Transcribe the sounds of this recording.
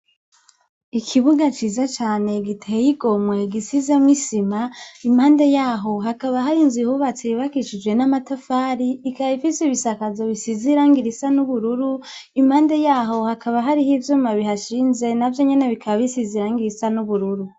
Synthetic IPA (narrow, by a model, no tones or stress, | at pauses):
ikʰiβuɡat͡ʃiːzat͡ʃaːne̞ɡitʰeejiɡo̞mwe̞ɡisizemwisimaimaːnde̞jaːɦo̞ɦakaβaɦaɾinzihuβat͡seβakiʃid͡ʒwe̞namatafaːɾiikaβifiseβisakazo̞βisiziɾaːŋɡiɾisanuβuɾuɾuimhaːnde̞jaːɦo̞hakʰaβaɦaɾihivjomaβiɦaʃiːnze̞navjo̞ɲe̞ne̞βikʰaβaβisiziɾaːŋɡiɾisanuβuɾuɾu